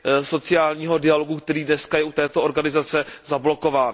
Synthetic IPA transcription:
so̞t͡sɪjaːlɲiːɦo̞dɪalo̞ɡukt̪ɛɾiːdnɛskajɛʔut̪ɛːt̪ooɾɡanɪzat͡sɛzablo̞ko̞vaːn

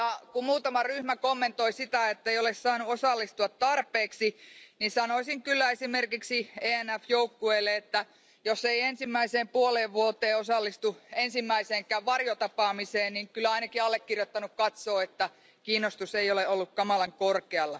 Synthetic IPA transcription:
jɑkummuːt̪ɑmɑryhmækomːent̪oisit̪æet̪ːæeijolessɑːnuosɑlːist̪uɑt̪t̪ɑrpˑeːksinisɑnoisiŋkylːæesimerkiksieːænæfjoukːueːlːeet̪ːæ | josːeiensimːæiseːmpuoleːʋʋuot̪ˑeːosɑlːist̪uensimːæiseːŋkˑæːʋʋɑrjot̪ɑpɑːmiseːnniŋkylːˑæɑinɑkiɑlːekːirjot̪ːɑnukkɑt̪soːet̪ːæ | kiːnːˑost̪useioleolːukkɑmɑlɑŋkorkeɑlːɑ

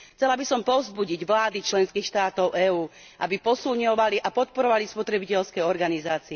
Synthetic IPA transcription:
xt͡sɛlabisɔmpɔʊzbuɟiɟʋlaːd̪it͡ʃlɛnskiːxʃt̪aːt̪ɔʊʔɛːuː | ʔa̰bipɔsulɲɔʋaliʔapɔt̪̚pɔɾɔʋalispɔt̪ɾɛbicɛlskɛɔɾɡanizaːt͡siɛ

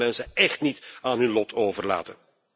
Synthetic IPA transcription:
ɛnsəɛχtnitaːnɦɵnlɔtʰoːvərla̰ːtən

